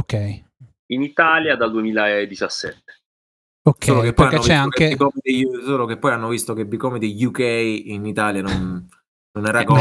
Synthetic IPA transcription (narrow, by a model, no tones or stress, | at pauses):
okːɛj | init̪aljad̪ald̪uemiːlaed̪ːit͡ʃasːɛ̰t̪ːe̥ | oskːoːlokepːɔjaːot͡ʃvɛaŋkeikɔmid̪esoːlokepːɔjanːovist̪okebːikɔmid̪ejukɛjinit̪aːljanonː | onɛɾakɔ